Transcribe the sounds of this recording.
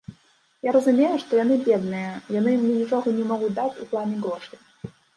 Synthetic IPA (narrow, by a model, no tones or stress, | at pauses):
jaɾəzumʲejuʂt̪ɔjanɨbʲed̪nɨjəjanɨjimnʲinʲit͡ʂoɣɔnʲɛmɔɣud̪at͡sʲṵplˠanʲiɡɔʂt̪ʲɨ